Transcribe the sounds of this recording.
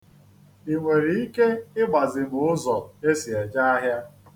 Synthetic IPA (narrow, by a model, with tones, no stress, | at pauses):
i˨ŋʷe˨ɾi˨i˦ke˦ɪ˦ɡ͡ba˨zɪ˨bʊ˨ʊ˦zɔ˨e˦si˨e˨d͡ʒa˦a˦ɦja˦